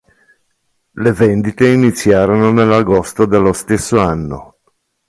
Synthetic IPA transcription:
levend̪it̪einit̪sːjaːɾononelːaɡost̪od̪elːost̪esːoanːo̰

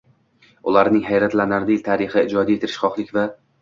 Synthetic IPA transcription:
ʊlaɾnɪŋɦajɾat̪lanaɾɪd̪jlʲt̪ʰaɾɪχɪɪd͡ʒɒd̪aje̞t̪ʰɪɾɪʃχɒqlˠɪkʲva

